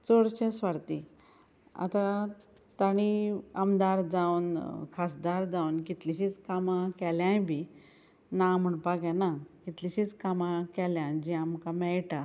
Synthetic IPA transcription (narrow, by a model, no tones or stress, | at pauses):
t͡soɽɕẽsʋaɾt̪i | a̰t̪a | t̪aɽ̃iamd̪aɾd͡zawnkʰas̬d̪aɾd͡zawnkit̪liɕit͡skamakɛljãjbʱi | nam̤uɳpaɡãnakit̪liɕit͡skamakɛljãnd͡ʑiamkamɛjʈa